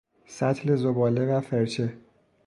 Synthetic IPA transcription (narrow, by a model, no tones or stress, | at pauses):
sæt̪ʰle̞zobɒːle̞væfeɾt͡ʃʰe